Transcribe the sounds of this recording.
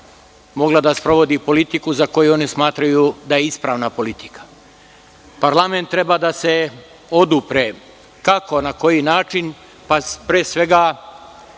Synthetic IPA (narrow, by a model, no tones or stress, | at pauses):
mo̞ɡlˠad̪aspɾo̞ʋo̞d̪ipo̞lit̪ikuzako̞juo̞nismaːt̪ɾajud̪ajeispɾaːʋnapo̞lit̪i̥kḁ | paɾlament̪ːɾe̞baːd̪ase̞ | o̞d̪upɾe | kako̞nako̞jinaːt͡ʃin | papɾeːsʋe̞ɡa